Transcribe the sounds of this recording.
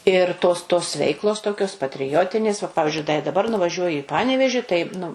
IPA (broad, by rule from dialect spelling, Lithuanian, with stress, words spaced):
ɪr toːs toːs ˈʋʲɛɪklˠoːs ˈtoːkʲoːs pɐtʲrʲɪˈjoːtʲɪnʲeːs ʋɐ ˈpɑːʋʲɪzʲd͡ʒʲʊɪ dɐ dɐˈbɐr nʊʋɐˈʒʲuɔjɪ ɪ ˈpɑːnʲɛʋʲɛʒʲɪ tɐɪ nʊ